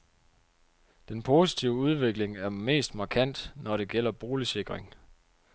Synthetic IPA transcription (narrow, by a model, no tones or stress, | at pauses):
d̥enpʰo̝si̥t͡sʰiʊəuð̞ˠʋe̝ɡ̥le̝ŋæɐme̝̰ːsd̥mɑ̈kʰæn̰d̥nɒɾe̝ɡ̥el̰ɐb̥o̝ːlise̝ɡ̥ʁeŋ